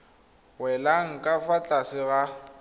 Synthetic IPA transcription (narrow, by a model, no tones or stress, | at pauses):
wɛlaŋ̩kʼafat͡ɬʼasɪɣa